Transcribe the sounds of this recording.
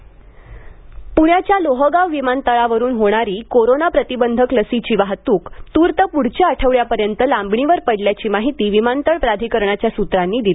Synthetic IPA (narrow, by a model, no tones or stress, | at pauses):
puɳjat͡ɕjaloɦəɡaʋʋimant̪əɭaʋəɾuːnɦoɽ̃aɾiːkoɾonapɾət̪ibənd̪ʱəkləsit͡ɕiːʋaɦt̪uːkt̪uːɾt̪əpuɽ̤t͡ɕəəʈʰəʋɭjapəɾjənt̪əlãmbɳiʋəɾpəɽljat͡ɕiːmaɦit̪iːʋimant̪əɭpɾad̪ʱikəɾɳat͡ɕjasut̪ɾanːiːd̪ili